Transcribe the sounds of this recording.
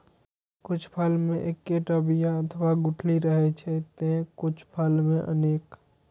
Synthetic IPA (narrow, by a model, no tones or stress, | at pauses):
kʊt͡ʃʰpʰəlmẽʔekːeʈəbijaət̪ʰwaɡʊʈʰliɾəɦɛt͡ʃʰɛt̪ẽkʊt͡ʃʰpʰəlmẽʔə̰neːk